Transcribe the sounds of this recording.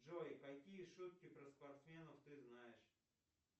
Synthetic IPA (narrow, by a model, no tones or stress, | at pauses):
ʒɔkɐkʲijiʃut̪̚kʲɪpɾɐspɐrt̪smʲɛnɔwt̪ɪznajɪʃ